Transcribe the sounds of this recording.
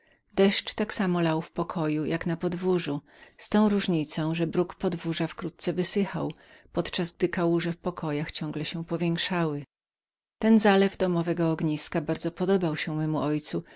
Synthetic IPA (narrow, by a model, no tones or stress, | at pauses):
d̪ɛʂt͡ʂt̪aksamɔlawfpɔkʰɔjujaknapɔd̪vuʐu | st̪ɔ̃w̃ɾuʐɲit̪sɔ̃w̃ʐɛbɾukpɔd̪vuʐafkɾut̪̚t̪sɛvɘsɘxa̰w | pɔt̪t͡ʂazɡ̚d̪ɘkawuʐɛfpɔkʰɔjaxt͡ɕɔ̃ŋɡlɛɕɛpɔvʲjɛŋkʂawɘ | t̪ɛnzalɛvd̪ɔmɔvɛɡɔːɡɲiskabaɾd̪zɔpɔd̪ɔbawɕɛmɛmuʔɔjt̪su